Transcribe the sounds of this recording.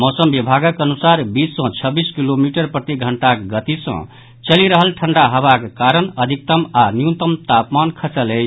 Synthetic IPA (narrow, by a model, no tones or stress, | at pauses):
mɔsəmbibʱaɡəkənusaɾbisːʌ̃t͡ʃʰʌbiskilomiʈəɾpɾət̪iɡʱəɳʈakɡət̪isʌ̰̃ | t͡ʃʌliɾəɦəlʈʰəɳɖaɦəβakkaɾənəd̪ʱik̚t̪əmanjut̪əmt̪apmankʰəsəle